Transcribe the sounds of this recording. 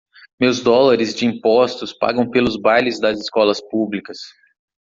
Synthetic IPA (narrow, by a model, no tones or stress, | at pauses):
mewzd̪ɔlaɾɪzd͡ʒɪĩpɔst̪ʊspa̰ɡɐ̃w̃pelʊzbajlɪzd̪ɐzɪskɔlɐspublikɐs